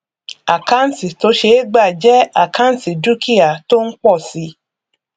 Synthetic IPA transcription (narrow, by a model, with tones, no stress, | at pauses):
a˨ka˦n̩˦ti˨to˨˦ʃe˧˦ɡ͡ba˦˨d͡ʒɛ˦a˨kã˦n̩˦ti˨du˦kʰi˦a˨to˦n̩˦k͡pɔ˦˨si˨˦